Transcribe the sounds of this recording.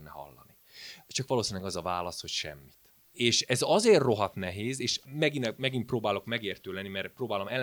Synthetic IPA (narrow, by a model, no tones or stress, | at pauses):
nːɛhɒ̰lːɒni | t͡ʃɒkʋɒloːsinlɛɡɒzɒvaːlɒsho̞cʃɛ̰mːit̪ | eːʃɛzɒzeːrːo̞ɦɒt̪nɛɦeːzeːʃmɛɡinɛmɛɡinproːbaːlo̞kmɛɡeːrt̪øːlɛnːimɛrproːbaːlo̞mɛl